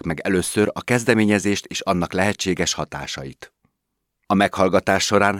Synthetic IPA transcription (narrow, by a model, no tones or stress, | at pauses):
kmɛɡɛløːsøɾɒkɛzd̪ɛmeːɲɛzeːʃt̪eːʃɒnːɒklɛɦɛt͡ʃːeːɡɛʃhɒt̪a̰ːʃɒjit̪ | ɒmɛkhɒlɡɒt̪aːʃːo̞ɾaːn